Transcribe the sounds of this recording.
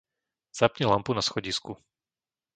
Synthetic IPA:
z̥apɲɛlampunasxɔɟisku

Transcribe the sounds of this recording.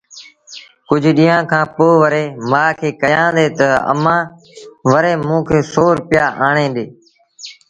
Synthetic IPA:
kʊd͡ʒʱɗĩːãːkʰãːpoːʋəɾeːmaːkʰeːkəjãːd̪eːt̪əə̰mãː | ʋəɾeːmũːkʰeːsoːɾʊpɪjaːʔaːɳẽːɗ̪eː

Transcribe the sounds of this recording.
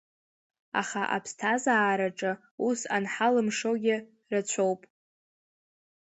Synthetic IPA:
a̰χaʔa̰pʰstʰazaːɾaʈ͡ʂʼɨ | usanħalɨmʂoɡʲɪ | rat͡ɕʷʰo̞wpʼ

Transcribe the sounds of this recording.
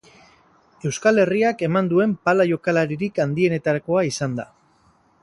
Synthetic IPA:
e̞wskale̞riake̞mand̪ue̞mpalaʝo̞kalaɾiɾikand̪ie̞ne̞t̪aɾako̞aisand̪a̰

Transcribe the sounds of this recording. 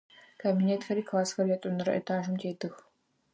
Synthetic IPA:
kʰabineːtxɐɾiːkʰlˠaːsxɐɾjatʼʊnɨɾɐ̰ʔɐ̰tʰaːʒʊmtʰeːdʰɨx

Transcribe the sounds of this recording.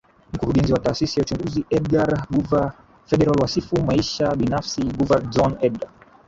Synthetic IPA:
m̩kuɾuɠɛnziwataːsisijaut͡ʃuŋɡuziɛdɡaɾɡuva | fɛɗɛɾalwasifumaiʃaɓinafsiɡuvald͡ʒɔnɛd̚ɡa

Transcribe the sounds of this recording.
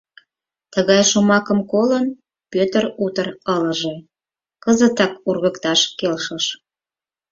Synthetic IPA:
t̪əɣɑjʃomɑkəmkolən | pøt̪ərut̪ərələ̆ʒe | kəzət̪ɑkurɣəkt̪ɑʃkelʃəʃ

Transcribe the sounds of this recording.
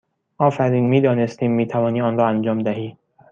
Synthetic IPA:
ʔɒːfæɾiːnmiːd̪ɒːnest̪iːmːiːt̪ʰævɒːniːɒːnɾɒːænd͡ʒɒːmd̪æɦiː

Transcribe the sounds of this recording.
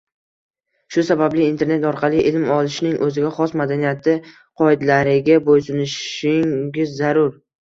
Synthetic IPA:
ʃʊsabablɪːnt̪ʰe̞ɾne̞t̪ɒɾqʰɑlɪʔɪlmɒlˠɪʃnɪŋʔɵzɪɡʲaχɒsmad̪anijat̪ʰɪ | qʰɒɪd̪laɾɪɡʲabojsʊnɪʃɪŋɡʲɪzːaɾʊɾ

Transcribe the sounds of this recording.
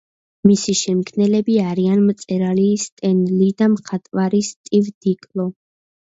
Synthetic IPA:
misiʃɛmkʰnɛlɛbiaɾianmt̪sʼɛɾalist̪ʼɛnlid̪amχat̪ʼwaɾist̪ʼivd̪ikʼlˠɔ

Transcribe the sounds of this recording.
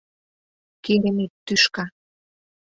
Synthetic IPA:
keɾĕnet̪ːyʃkɑ

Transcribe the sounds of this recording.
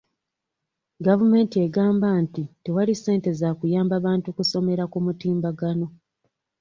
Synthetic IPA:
ɡavume̞ːntie̞ɡaːmbantite̞walise̞ːnte̞zakujaːmbaβaːntukuso̞me̞ɾakumutiːmbaɡano̞

